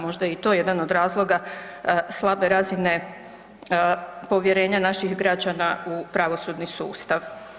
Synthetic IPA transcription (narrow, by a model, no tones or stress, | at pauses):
mo̞ʒd̪ait̪o̞je̞d̪anod̪ɾaːzlˠo̞ɡa | slˠabe̞ɾazine̞ | po̞ʋjeɾe̞ːɲanaʃixɡɾad͡ʑanaupɾaʋo̞sud̪nisṵːst̪aʋ